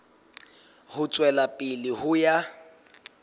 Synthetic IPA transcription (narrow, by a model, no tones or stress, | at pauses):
hʊt͡sʼwɛlapʼɪlɪhʊja